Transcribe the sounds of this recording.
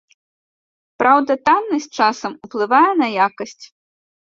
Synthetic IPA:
pɾawd̪ɐt̪amnɐsʲt͡ʂasɐmuplˠɨvajɛnɐjakɐsʲt͡sʲ

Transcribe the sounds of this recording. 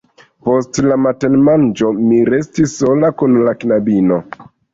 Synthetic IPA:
postlamatenmand͡ʒo̞miɾe̞stisːolakunlaknabino

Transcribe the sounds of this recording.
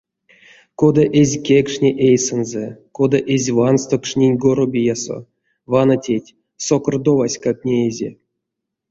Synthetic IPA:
kod̪aʔezʲkʲekʂnʲeʔejsɨnzekod̪aʔezʲvanst̪okʂnʲenʲɡoɾobʲijaso̰ | vanatʲetʲ | sokord̪ovasʲkak̚nʲeːzʲḛ

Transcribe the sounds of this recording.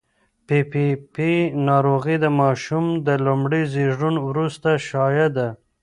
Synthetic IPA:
pipipinɑɾoɣid̪əmɑʃumd̪əlumɽizeʐɽunwɾust̪aʃɑjad̪a

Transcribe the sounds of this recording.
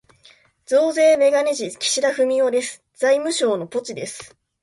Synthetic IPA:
d͡zo̞ːze̞ːme̞ɡaneʑikʲi̥ɕiɾaɸɯ̟mʲiod̪e̞sɨ̥ | d͡zaimɯ̟ɕo̞ːno̞po̞t͡ɕid̪e̞sɨ̥

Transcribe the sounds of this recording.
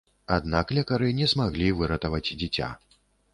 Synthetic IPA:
ad̪naklʲɛkaɾɨnʲɛzmaɣlʲivɨɾɐt̪ɐvɐt͡sʲd͡zʲit͡sʲa̰

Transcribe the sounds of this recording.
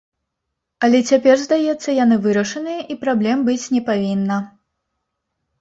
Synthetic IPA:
ɐlʲɛt͡sʲapʲɛrzd̪ajɛt̪sːɐjan̪ɨvɨɾɐʂɨnɨjɐʔipɾablʲɛmbɨt͡sʲnʲɛpavʲinːɐ

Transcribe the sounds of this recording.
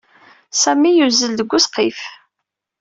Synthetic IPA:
sæmːijuzəld̪əɡʷːʊsqːif

